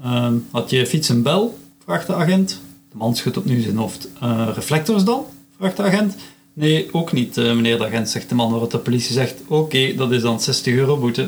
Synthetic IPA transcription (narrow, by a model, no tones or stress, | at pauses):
əɦɑtjəfitsənbɛlˠv̥raːxdəaɣɛntd̥əmɑnsxøtɔpnywzɪnɔftərəflɛk̚tɔrzdɑnv̥raːxdəaɣɛnt | neːoːknitəməneːrdəaɣɛntsɛxt̚dəmɑnːrɑtdəpolisizɛxtokeːdɑtɪzdɑnsɛstəɣøːrobutə